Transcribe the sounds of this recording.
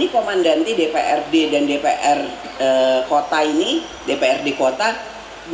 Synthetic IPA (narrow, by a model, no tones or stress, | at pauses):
nikomandant̪idepḛʔɛrdedandepeʔɛr | əkot̪aini | depeɛrdekot̪a